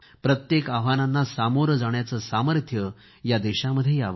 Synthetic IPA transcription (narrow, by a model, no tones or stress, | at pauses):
pɾət̪jekaʋananːasamoɾd͡zaɳ̃jat͡səːsaməɾt̪ʰjə | jad̪eɕaməd̪ʱːjejaʋ